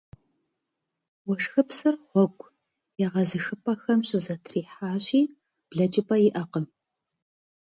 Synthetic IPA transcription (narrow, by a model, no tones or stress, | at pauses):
wɔʂxɨpsɐrχʷɔɡʷʼ | jɛʁɐzɨxɨpʰʼɐxɐmɕʼɪzɐtʰriːħaːɕiː | b̥ɮɐt͡ʃʼɪpʰʼɐjɪʔɐqəm